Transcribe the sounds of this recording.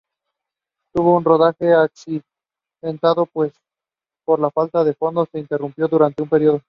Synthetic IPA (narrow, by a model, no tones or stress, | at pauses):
t̪uβo̞unro̞ð̞axe̞aksi | ðe̞nt̪aðo̞pwe̞s | po̞ɾlafalt̪aðe̞fo̞nd̪o̞se̞int̪e̞rumpjo̞ðuɾant̪e̞umpe̞ɾjo̞ð̞o̞